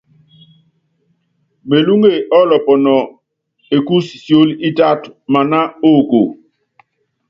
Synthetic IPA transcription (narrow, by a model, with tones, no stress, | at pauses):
me˨lu˦ŋɡe˦˨ʔɔ˦lɔ˨pɔ˨nɔ˨ | e˨ku˦ssjo˦li˦ta˦tma˨na˦o˦˨ko˨